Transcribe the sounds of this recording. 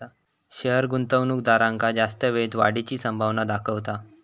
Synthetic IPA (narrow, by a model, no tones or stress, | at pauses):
a | ɕəɦəɾɡunt̪əʋnuːk̚d̪aɾãŋkad͡zast̪əʋet̪ʋa̰ɽit͡ɕiːsəmbʱaʋnad̪akʰəʋt̪a